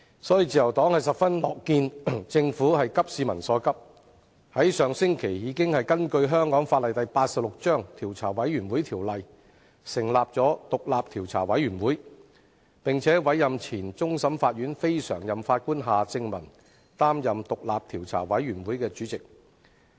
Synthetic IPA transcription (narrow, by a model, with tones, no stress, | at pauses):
sɔː˨˥ji˨˧t͡siː˨jɐ˨˩wt̪ɔː˨˥ŋhɐ˨jsɐ˨pfɐ˥nlɔː˨kːiː˧nt͡sɪ˧ŋfuː˨˥hɐ˨jkɐ˥p̚siː˧mɐ˨˩nsɔː˨˥kɐ˥p̚ | hɐ˨˥jsœː˨˧ŋsɪ˥ŋkʰe˨˩jjiː˨˧kɪ˥ŋhɐ˨jkɐ˥nkɵ˧ɥɦœː˥ŋkɔː˨˥ŋfaː˧t̚lɐ˨jt̪ɐ˨jpaː˧t̚sɐ˨p̚lʊ˨k̚t͡ʃœː˥ŋt̪ʰiː˨˩wt͡sʰa̰ː˨˩wɐ˨˥jːyː˨˩nwuː˨˥jt̪ʰiː˨˩wlɐ˨j | sɪ˨˩ŋlaː˨p̚t͡sɔː˨˥t̪ʊ˨k̚laː˨p̚t̪ʰiː˨˩wt͡sʰaː˨˩wɐ˨˥jɥyː˨˩nwuː˨˥j | pɪ˨ŋt͡sʰɛː˨˥wɐ˨˥jːɐ˨mt͡sʰiː˨˩nt͡sʊ˥ŋsɐ˨˥mfaː˧t̚ɥyː˨˥nfe˥jsœ̰ː˨˩ŋjɐ˨mfaː˧t̚kuː˥nɦaː˨t͡sɪ˧ŋmɐ˨˩n | t̪aː˥mjɐ˨mt̪ʊ˨k̚laː˨p̚t̪ʰiː˨˩wt͡sʰa̰ː˨˩wɐ˨˥jːyː˨˩nwuː˨˥jkɛː˧t͡ʃyː˨˥t͡sɪ˨k̚